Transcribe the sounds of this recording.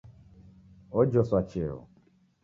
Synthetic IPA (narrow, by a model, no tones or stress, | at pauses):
od͡ʒɔswat͡ʃɪɾʊ̰